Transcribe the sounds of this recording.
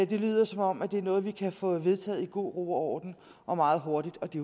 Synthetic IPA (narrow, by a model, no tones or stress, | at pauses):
d̥e̝ly̰ːð̞ˠɐsɒ̽mɒ̽m̰æd̥e̝æɐnɔ̽ːð̞̩ˠʋikʰæfɔ̽ʋe̝ðˠt͡sʰɛ̰ːð̩ˠiɡ̥o̝̰ːʁo̝̰ːɒːd̥n̩ | ʔɒ̽mɑ̈ːð̩ˠɦo̝ɐɾ̥id̥ɒ̽d̥e̝